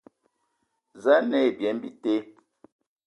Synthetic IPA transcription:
za˦nɛ˦˨bjɛ˨˦mbi˦te˦

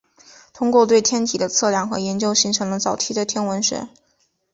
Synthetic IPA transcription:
t̪ʰʊ˥ŋkwɔ˥˧t̪we˥˩ɪt̪ʰjɛ˥nt̪ʰi˨˩d̪ə˦t͡sʰɤ˥˧ljɑ˥˩ŋxɤ̰˧˥jɛ˧˥nt͡ɕjo˥ʊɕi˧˥ŋʈ͡ʂʰɤ˧˥ŋd̪ə˧t͡sɑ˨˩ʊt̪ʰi˥d̪ə˨˧t̪ʰjɛ˥nwə˧˥nʂɛ̰˨˧˩

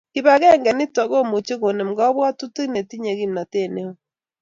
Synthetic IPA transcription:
ki˨βa˨ɣɛ˦ŋɡɛ˨ni˦ta˨ɣo˦˨mo˨t͡ʃe˦ɣo˨ne˨m˨ɡɔ˦βwa˦tu˦ti˦ne˨ti˦ɲe˨ɣi˦mna˨te˦˨ne˦o˦

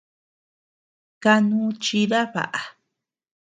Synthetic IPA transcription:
ka˧nũ˦t͡ʃi˧ða˦βa̰˨ʔa˨

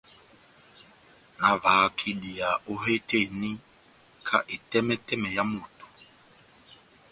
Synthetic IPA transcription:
na˨va˨˦kʰi˦ɗi˨a˨o˦ɦe˦te˦˨ni˦ | kʰa̰˦ʔi˨tɛ˦mɛ˦tɛ˦mɛ˨ja˦mu˨tu̥˨

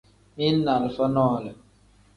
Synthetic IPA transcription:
mi˦lna˨lfa˦nɔ˦˨lɛ˨

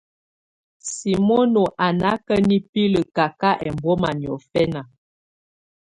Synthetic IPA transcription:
si˨mo˦no˨ʔa˨na˦kə˦ni˦pi˦lə˨ka˨ka˦ʔɛ˨mbɔ˦ma˨njɔ̰˨fɛ˦na˨

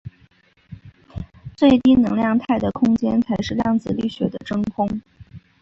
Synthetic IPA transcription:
t͡swe˥˩ɪt̪i˥nɤ˧˥ŋljɑ˥˧ŋt̪ʰa˥˩ɪd̪ə˩kʰʊ˥ŋt͡ɕjɛ˥nt͡sʰa˧˥ɪʂɻ̩˥˧ljɑ˥˩ŋt͡sɹ̩˥˩ly˥˩ɕɥɛ˧˥d̪ə˧ʈ͡ʂɤ˥ŋkʰʊ˥ŋ

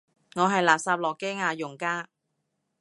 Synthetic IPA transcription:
ŋɔː˨˧ɦɐ˨jlaː˨˩t̚saː˧p̚lɔː˨˩kɛː˥˩ŋaː˧jʊ˨˩ŋkaː˧˥˩

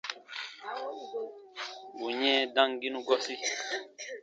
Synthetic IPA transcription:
wu˨ɲɛ̃˦dã˦ŋɡi˦nũ˦ɡɔ˦si˦

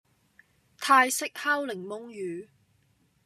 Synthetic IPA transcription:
t̪ʰaː˧jsɪ˥k̚haː˥wlɪ˨˩ŋmʊ˧ŋjyː˨˧

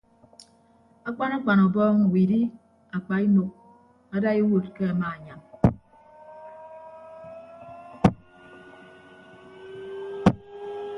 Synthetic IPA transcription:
a˦k͡pa˦na˦k͡pa˨nɔ˨bɔː˦ŋu˨wi˨di˦ | a˨k͡pa˨i˦no˨k̚ | a˦da˦e˦wo˨t̚ke˦a˨ma˨a˨ɲa˨m

